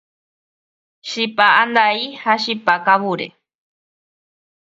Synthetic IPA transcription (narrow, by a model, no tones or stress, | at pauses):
ʃipaand̪aihaʃipakaβuɾḛ